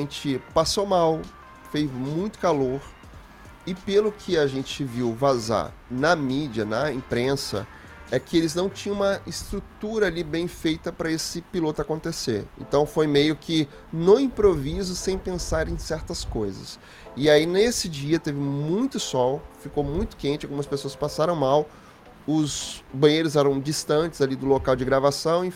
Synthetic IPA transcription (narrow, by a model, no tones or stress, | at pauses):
ẽt͡ʃɪpasowmaw | fejzmũj̃t̪ʊ̥kaloɾ | ɪpelʊkʰɪaʒẽnt͡ʃɪviwvaza̰ɾ | nɐmid͡ʒiɐnɐĩpɾẽsɐ̰ | ɛkɪelɪznɐ̃w̃t͡ʃĩɐ̃ũmɐɪst̪ɾut̪uɾɐalibẽj̃fejt̪ɐpɾɐesɪpilot̪ʊakõnt̪eseɾḛ̃nt̪ɐ̃w̃fojmejʊkʰɪ | noĩpɾovizʊsẽj̃pẽsaɾẽsɛɾt̪ɐskojzɐ̰s | ɪainesɪd͡ʒiɐt̪evɪmũj̃t̪ʊsɔwfikowmũj̃t̪ʊ̥kẽnt͡ʃɪaɡumɐspesoɐspasaɾɐ̃w̃maw | ʊzbɐ̃j̃ejɾʊzɛɾɐ̃w̃d͡ʒist̪ɐ̃nt͡ʃɪz̥alid̪ʊlokawd͡ʒɪɡɾavasɐ̃w̃ĩ